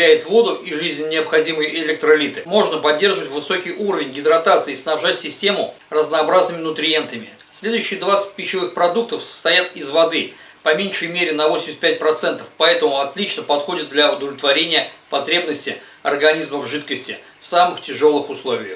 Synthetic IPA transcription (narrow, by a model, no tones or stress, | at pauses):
æjɪt̪vo̞d̪ʊʔiʐɨzʲnʲɪnʲɪəpxɐdʲiməjɪlʲɛk̚t̪ɾəɪlʲit̪ɨmo̞ʐnəpɐdʲːe̞rʐɨvətʲvɨso̞kʲɪjuɾəvʲɪnʲɡʲɪd̪ɾɐt̪at̪sɨɪːsnɐbʐatʲsʲɪsʲtʲe̞mʊ | rəznɐːbɾaznɨmʲɪnʊt̪ɾʲɪje̞nt̪əmʲɪ̰ | sʲlʲe̞d̪ʊjʏɕːɪjəd̪vat̪sə̥t̚ʲpʲɪɕɪvɨxpɾɐd̪uk̚t̪əfsə̥st̪ɐjat̪ɪzvɐd̪ɨ | pɐmʲenʲʂəjmʲeɾʲɪnɐvosʲɪmʲɪsʲtʲpʲæt̚ʲpɾɐt̪sɛnt̪ə̥fpɐɛt̪əmʊɐt̪lʲit͡ɕnəpɐt̪xo̞dʲɪt̪̚d̪lʲɐʊd̪əvlʲɪt̪vɐɾʲenʲɪjəpɐt̪ɾʲe̞bnəsʲtʲɪ | ɐ̰rɡɐnʲizməvʐɨt̪kəsʲtʲɪ̰ | fsamɨxtʲɪʐo̞lˠɨxʊslˠo̞vʲɪjəx